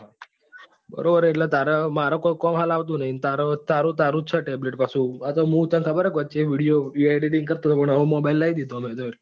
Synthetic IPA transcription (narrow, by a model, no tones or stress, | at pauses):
bə̰ɾobəɾeʈlet̪aɾamaɾokojkɔmɦalaʋt̪̬ũnəɦint̪aɾot̪aɾũt̪̬aɾũt͡ʃʰeʈebleʈpasuat̪oɦũt̪ãnkʰəbəɾekʋət͡ʃeʋiɽijoɾiaɖeʈĩŋɡ̚kəɾt̪ũt̪opəɳəõmɔbajlaid̪id̪omed̪oɾi